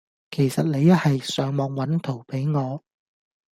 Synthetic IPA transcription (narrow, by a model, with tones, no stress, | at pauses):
kʰe˨˩jsɐ˨t̚ne˨˧jɐ˥hɐ˨jsœː˨˧ŋmɔː˨˧ŋwɐ˨˥nt̪ʰo˨˩wpe˨˥jŋɔː˨˧